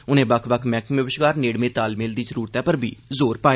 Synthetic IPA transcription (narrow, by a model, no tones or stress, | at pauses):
ʊnẽːbəkʰʋəkʰmɛ̃ːkʋəʋəʃɡaːɾneːɽmẽːt̪aːlmɪːld̪iːzəɾuːɾət̪ɛːpəɾbʱḭːzoːɾpaːe